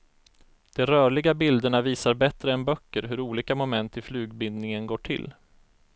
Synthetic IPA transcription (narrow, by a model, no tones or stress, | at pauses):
d̪̥ɛɾœːɭɪɡabɪld̪əɳaviːsaɾbɛt̪ɾəɛnbœkːəɾɦɵɾuːliːkamʊmɛnt̪ɪflʉ̟ːɡbɪnd̪nɪŋənɡoːʈʰɪ̰lː